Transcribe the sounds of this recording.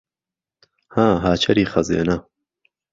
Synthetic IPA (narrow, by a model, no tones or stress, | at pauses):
haːɦaːt͡ʃʰɐɾiːxɐzḛːnɐ